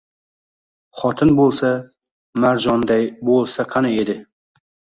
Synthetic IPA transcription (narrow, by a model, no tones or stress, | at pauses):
χɒt̪ʰɪnbolˠsa | maɾd͡ʒɒnd̪ajbolˠsaqʰɑnaed̪ɪ